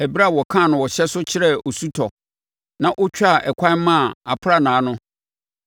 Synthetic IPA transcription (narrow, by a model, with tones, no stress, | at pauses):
æ˨bi˦ɾa˦˨wɔ˨kʰã˦˨nʊ̃˨wɔ˨ɕɛ˦sʊ˦t͡ɕʰɪ˦ɾɛ˦o˨su˦tʰɔ˨ | nã˦ʔʊ˦t͡ɕᶣa˦˨ʔɛ˨kʷʰã˦mã˦˨a˨pʰʊ˦ɾa˨nãː˨˦nʊ̃˦